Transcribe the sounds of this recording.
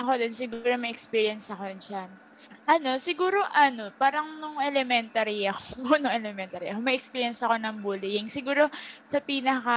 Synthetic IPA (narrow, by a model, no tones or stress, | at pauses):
ɐkod̪onsɪɡuːɾo̞mɐʔɛkspiːɹjɐnsɐkond͡ʒan | ʔɐno̞sɪɡuːɾo̞ʔɐno̞paːɾɐŋnʊŋʔɛlɛmɛnt̪ɐɾiɐkonʊŋʔɛlɛmɛnt̪ɐɾiʔɐkomɐʔɛkspiːɹjɛnsɐko̞nɐŋbuːlɪjɪŋsɪɡuːɾo̞sɐpiːnɐkɐ